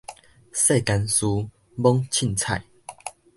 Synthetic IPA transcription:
se˥˨ka˧nsu˧ | bɔ˦ŋt͡ɕʰi˥˨nt͡sʰa˥˨j

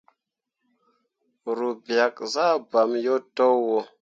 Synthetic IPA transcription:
ɾu˨bja˨kza˦ba˨mjo˦to˦wwo˨

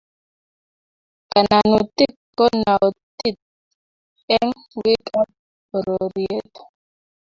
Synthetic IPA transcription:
ka˨na˨nu˨t̪i˦kkɔ˦na˨o˨t̪i˦t̪̚ | ɛ˦ŋ | wi˦ka˦p̚ | ɾɔ˨ɾi˨e˦t̪

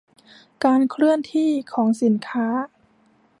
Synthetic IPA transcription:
kaː˧nkʰɾɯ˥˩ənt̪ʰiː˥˩kʰɔː˩˦ŋsi˩˦nkʰaː˦˥

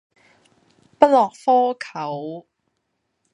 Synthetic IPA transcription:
pɐ˥t̚lɔː˨˩k̚fɔː˥kʰɐ˨˩˦w

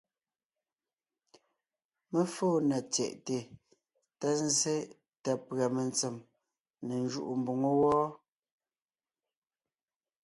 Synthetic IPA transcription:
me˦foː˦˨na˨t͡sjɛ̰˨ʔte˨ | tɛ˦n̩˦ze˦ | ta˨pɰa˨me˨nt͡se˨m | ne˨n˦d͡ʒu˦ʔu˨m̩˨bu˨ŋo˦wɔː˦

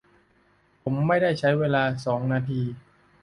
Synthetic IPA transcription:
pʰo˩˦mːa˥˩jda˥˩jt͡ɕʰa˦˥jweː˧laː˧sɔː˩˦ŋnaː˧t̪ʰiː˧

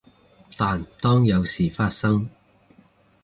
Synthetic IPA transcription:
t̪aː˨nt̪ɔː˥ŋjɐ˨˧wsiː˨˩faː˧t̚sɐ˥ŋ

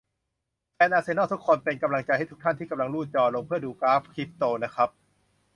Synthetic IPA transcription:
fɛː˧nʔaː˧seː˧nɔː˥˩t̪u˦˥kʰːɔː˧npe˧nka˧mla˧ŋt͡ɕa˧jha˥˩jt̪u˦˥kt̪ʰa˥˩t̪ʰiː˥˩ka˧mla˧ŋɾuː˥˩t̪̚t͡ɕɔː˧lo˧ŋpʰɯ˥˩ɐəduː˧kaː˦˥p̚kʰɾi˦˥p̚t̪oː˧na˦˥kʰɾa˦˥p̚

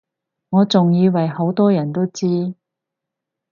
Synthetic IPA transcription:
ŋɔː˨˧t͡sʊ˨ŋjiː˨˧wɐ˨˩jho˨˥wt̪ɔː˥jɐ˨˩nt̪o˥wt͡siː˥

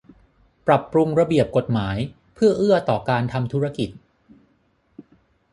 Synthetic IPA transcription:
pɾa˨˩pːɾu˧ŋɾa˧bi˨˩əp̚ko˨˩t̪̚maː˩˦j | pʰɯ˥˩ɐʔɯ˥˩ət̪ɔː˨˩kaː˧nt̪ʰa˧mt̪ʰu˦˥ɾa˧ki˨˩t̪̚

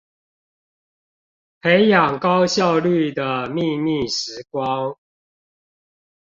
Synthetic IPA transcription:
pʰe˨˦ɪjɑ˨˩ŋkɑ˦ʊɕjɑ˥˨ʊly˥˩d̪ə˩mi˥˧mi˥˨ʂɻ̩˨˧˦kwɑ˦ŋ

